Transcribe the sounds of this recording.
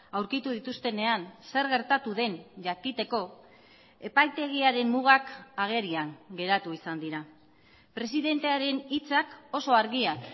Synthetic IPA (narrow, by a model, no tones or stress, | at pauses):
awɾkit̪uð̞it̪ust̪e̞ne̞anse̞ɾɣe̞ɾt̪at̪uðe̞nʝakit̪e̞ko̞ | e̞pajt̪e̞ɣ̞iaɾe̞mːuɣ̞akaɣ̞e̞ɾiaŋɡe̞ɾat̪uisand̪iɾa | pɾe̞siðe̞nt̪e̞aɾe̞nit͡sako̞soaɾɣiak